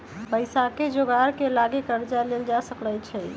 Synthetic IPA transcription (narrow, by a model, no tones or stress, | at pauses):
pəɪsaked͡ʒoɡaɾkelaɡekəɾd͡ʒaleld͡ʒasəklət͡ʃʰɛ